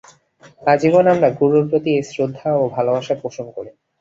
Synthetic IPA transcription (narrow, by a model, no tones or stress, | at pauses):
ad͡ʑibonamɾaɡuɾopɾot̪iesɾod̪ʱːaobʱalobaʃapoʃonkoɾi